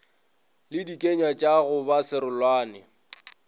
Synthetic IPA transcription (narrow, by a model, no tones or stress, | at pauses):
lɪdikʼeɲwat͡ʃʼaɣʊbasɪɾʊlwaːnɪ